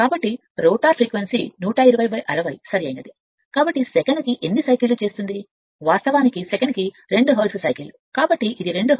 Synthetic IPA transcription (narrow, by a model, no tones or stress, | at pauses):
kaːbɐʈːi | ɾoːʈaːpʰɾiːkʋensinuːʈaːiɾɐʋɐjʋɐjʔɐɾɐʋɐjsɐɾiɐjinɐd̪i | kaːbɐʈːisɛkɐnkiʔenːisɐjkilːut͡ʃe̞ːst̪und̪i | ʋaːɾst̪ɐʋaːnikisekɐnki | ɾe̞ɳɖuɦɐːlsɐsɐjkilu | kaːbɐʈːiʔid̪iɾe̞ɳɖu